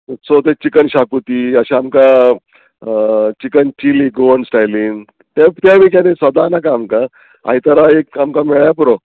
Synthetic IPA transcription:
sot̪et͡ɕikənɕakut̪iəɕeamka | t͡ɕikənt͡ɕiliɡoɳsʈajliːŋ | t̪et̪amiːk̬anẽsʋəd̪anakaːmka | a̰it̪əɾaekamkameɭjapɾo

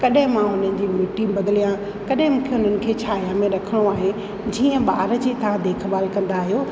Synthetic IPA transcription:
kɐɗɦɪ̃mãʊn̤ənɪ̆d͡ʑiːmuʈibɐd̪ɪlijã | kɐɗɦɪ̃mʊ̃ːkʰeʊn̤ənɪ̆kʰeːt͡ɕʰaːɦijaːmẽɾɐkʰəɽ̃oaːɦe | d͡ʑiːə̃ɓaːɾəd͡ʑit̪ʰãd̪eːkʰbaːlkɐ̃nd̪aːɦijoː

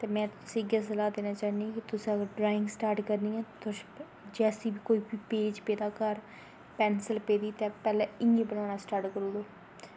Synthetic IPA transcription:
t̪eːmɛ̃ːt̪sĩɪɡas̬əlaːd̪eːnaːt͡ʃaːnikɪt̪ʊsĩːəɡəɾɖɾaːɪ̃ŋɡsʈaːɾʈkəɾnĩːɛ̃ːt̪ʊ | d͡ʒɛːsiːbiːkoːiːbipeːd͡ʒpeːd̪aːkəɾ | pɛːnsəlpeːd̪iːt̪eːpɛːlɛːɪŋɡĩːbənaːnaːsʈaːɾʈkəɾũːd̪oː

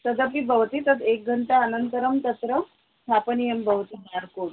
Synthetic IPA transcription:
səd̪əpibəʋt̪iːt̪əd̪ek̚ɡʱəɳt̪aənənt̪əɾəmt̪əsɾə | ɦapənijembəʋt̪iɦɳaɾkoɽ

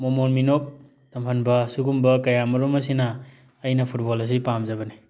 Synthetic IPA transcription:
momonminok̚ | tɐmpʰɐnbɐsuɡumbɐkɐjamɐɾumɐsinɐː | jnɐpʰut̚bolɐs̬ipamzɐbɐni

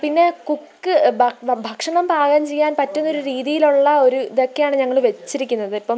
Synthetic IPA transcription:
pinːe̞kukːɨbʱɐkʂɐɳɐmbaːɣaːmt͡ɕejːaːnpɐtːunːo̞ɾuɾiːðijiluɭːɐo̞ɾuiðokːejaːɳɨɲɐŋːɐɭʋe̞t͡ɕːiɾikʲːunːɐðɨɐpːɐm

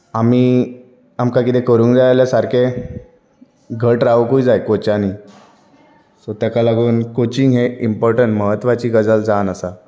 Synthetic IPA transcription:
amiː | amkakit̪ekəɾũːŋkd͡zajalasaɾkʰe | ɡʱəʈɾaukuid͡zajkot͡ɕaniː | sot̪akalaɡuːnkot͡ɕiŋɡɦeimpɔɾʈəɳʈməɦət̪ːʋat͡ɕiːɡəd͡zəld͡zanəsa

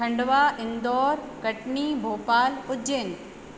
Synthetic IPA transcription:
ɐ̃ɳɖʋaːʔɪnd̪ɔːɾkɐʈɳibʱoːpaːlʊd͡ʑen

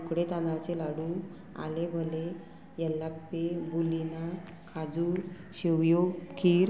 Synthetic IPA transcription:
kɽet̪ãnat͡ɕelaɽu | a̰lebʱəle | jɛlːapːebulina | kʰad͡zu | ɕeʋjokiːɾ

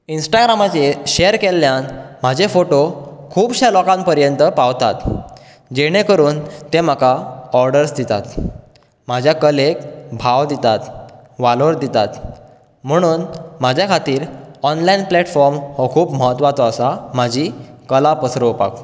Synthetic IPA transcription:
insʈaɡɾamat͡ɕeɕeəɾkelːjanm̤ad͡ʑefoʈokʰuːbɕalɔkãmpəɾjənt̪əpaʋt̪at̪ | d͡ʑeɽ̃ekəɾuːnt̪em̤akaɔɾɖəɾsd̪it̪a̰t̪ | m̤ad͡ʑʱjakəlek̚bʱaʋd̪it̪at̪ʋaloɾd̪it̪at̪ | m̤əɽ̃uːnmad͡ʑʱjakʰat̪iːɾɔnlainplɛʈfɔɾmhokʰuːbməɦət̪ʋat̪ɔəsam̤ad͡ʑʱiːkəlapəsɾəʋpa̰k

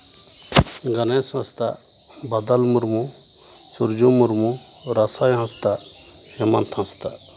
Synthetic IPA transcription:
ɡɐnẽsɐ̃st̪a̰ | bɐd̪ɐlmuɾmusuɾd͡ʒõmuɾmu | ɾɐsajɦãst̪a | hemɐnt̪ʰãst̪a̰

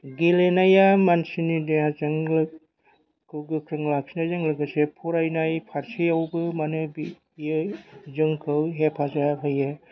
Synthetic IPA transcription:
ɡilenajamansinideazaŋlɯ | kɯwɡɯkʰɾɯŋlak̚sinazaŋlɯɡɯsepʰuɾajnajpʰaɾsiawbɯmanɯbi | jɯzɯŋkʰɯwɦepʰazaɦɯjɯ

